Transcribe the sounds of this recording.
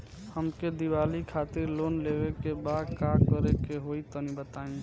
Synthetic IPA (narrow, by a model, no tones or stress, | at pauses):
həmked̪iwalikʰat̪iɾlonlebekebad̪kakəɾekeɦoit̪ɔnibət̪aĩ